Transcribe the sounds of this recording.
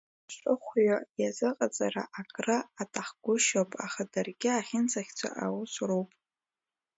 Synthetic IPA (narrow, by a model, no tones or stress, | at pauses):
ʃʷʼɨχʷɥajazɨqʼat͡sʼaɾa̰ʔakʼrɨatʼaχɡʷʊʃopʼaχadarɡʲɪaχʲɪnt͡sʰʼaχʲt͡sʷʰa̰ʔawʊsʷrowpʼ